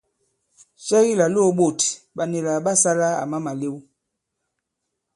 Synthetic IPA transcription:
sɛ˦ɣi˦la˨lo˦˨˦ɓo˦˨t | ɓa˨ne˨la˨ɓa˦sa˦la˦a̰˨ma˦ma˨le˦w

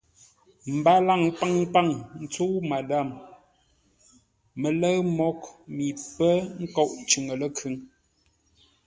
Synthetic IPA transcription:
m̩˨ba˦la˦˨ŋpa˦ŋpa˦˨ŋn̩˨t͡su˦ma˨da˦˨m | ə˨lə˦ɰmɔ˦kmi˨pə˦ŋ̩˦kɔ˦˨ʔt͡ʃʉ˨ŋə˨lə˦kʰʉ˨˦ŋ

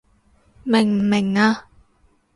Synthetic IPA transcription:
mɪ˨˩ŋm̩˨˩mɪ˨˩ŋaː˧

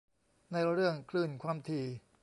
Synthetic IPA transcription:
na˧jɾɯ˥˩əŋkʰlɯː˥˩nkʰwaː˧mt̪ʰiː˧

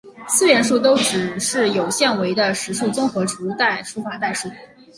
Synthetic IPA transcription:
sɹ̩˥˧ɥɛ˧˥nʂ̬u˥˩t̪̬o˥ʊʈ͡ʂɻ̩˨˩ʂɻ̩˥˩jo˨˩ʊɕjɛ˥˩nwe˧˥ɪd̪ə˧ʂɻ̩˧˥ʂu˥˩t͡sʊ˥ŋxɤ˧˥ʈ͡ʂʰu˧˥t̪a˥˩ɪʂʰu˧˥fa˨˥t̪a˥˧ɪʂu˥˩˥

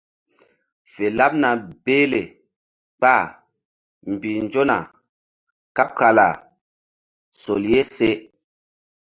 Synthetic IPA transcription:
fe˨la˦p̚na˨beː˦le˨ | k͡pa˦˨ | m˨bi˨n˦d͡ʒo˦na̰˨ | ka˦p̚ka˨la̰˨ | so̰˨lje˦se˦

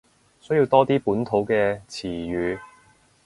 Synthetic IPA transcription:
sɵ˨˥jiː˧wt̪ɔː˥t̪iː˥puː˨˥nt̪ʰo˨˥wkɛː˧t͡sʰiː˨˩jyː˨˧

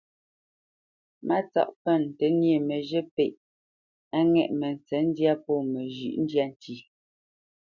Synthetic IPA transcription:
ma˦t͡sɔ̰˦˨ʔpɛ˦˨n˨te˨nje˨me˨ʒe˦pe˨ʔ | a˦ŋɛ˦˨ʔmɛ˨n˨t͡sɛ˨˦n̩˦dja˦pɔ˦˨me˨ʒʉ̰˦˨ʔn̩˦dja˦n̩˨ti˨

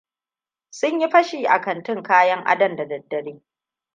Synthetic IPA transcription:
sʊ˦ɲji˦ɸɐ˦ʃiː˨ʔa̰˨kɐ˨ntɪ˦ŋkaː˦jɐ˦ŋʔa̰˦dɐ˨mda˨dɐ˨dːɐ˨ɽeː˦

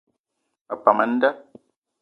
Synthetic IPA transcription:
a˨pːa˨ma˦n˦da˦

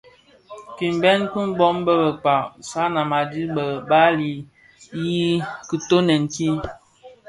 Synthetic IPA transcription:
ki˨m˨bɛ˦nku˦m̩˦bɔ˦m˦bə˦bə˨k͡pa˨ʔsa˦na˨ma˨di˦bə˨ba˦li˨ | ji˦ki˨to˦nə˨ŋ̩˨ki˦

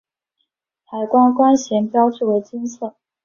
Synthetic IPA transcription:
t̪ʰa˨˩ɪkwa˥nkwa˥nɕjɛ˧˥npjɑ˥ʊʈ͡ʂu˥˩we˧˥ɪt͡sə˥nt͡sʰɤ˥˩

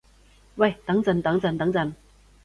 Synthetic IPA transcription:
wa˥˧˩jt̪a˨˥˦ŋt͡sə˨˩nt̪a˨˥˦ŋt͡sə˨˩nt̪a˧˥ŋt͡sa˨˧˩n

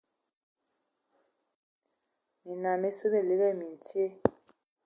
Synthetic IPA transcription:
mi˨na˨me˦su˦be˦˨le˨˦bɛ˦˨mi˨n˨tje˦

